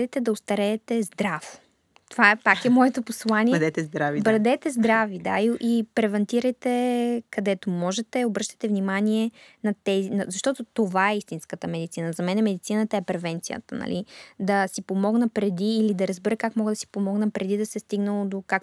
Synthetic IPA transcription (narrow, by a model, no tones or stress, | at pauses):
d̪ɛt̪ɛd̪ɐost̪ɐɾɛːt̪ɛzd̪ɾaf | t̪ovaɛpakɛmɔjɛt̪oposlˠanid̪ɛt̪ɛzd̪ɾavibɾɐd̪ɛt̪ɛzd̪ɾavid̪a̰iʔipɾɛvɐnt̪iɾəjt̪ɛkɐd̪ɛt̪omɔʒɛt̪ɛobɾɤʃt̪ə̥t̪ɛvnimaniɛnɐt̪ɛzinɐzɐʃt̪ɔt̪ot̪ovaɛist̪inskət̪əmɛd̪it̪sinəzɐmɛnɛmɛd̪it̪sinət̪əɛpɾɛvɛnt̪sijə̰t̪ənɐ̰lḭd̪ɐsipomɔɡnəpɾɛd̪iːlid̪ɐɾɐzbɛɾəkakmɔɡəd̪ɐsi̥pomɔɡnəpɾɛd̪id̪ɐsɛst̪iɡnəlˠod̪okak